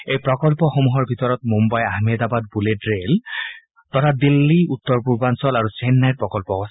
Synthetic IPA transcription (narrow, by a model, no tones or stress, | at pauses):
ejpɹɔkɔlpɔxomuɦɔɹbʱitɔɹɔtmumbajaɦmedabad̚buledɹel | tɔtʰadilːiutːɔɹpuɹbansɔlaɹusɛnːajɹpɹɔkɔlpɔɔs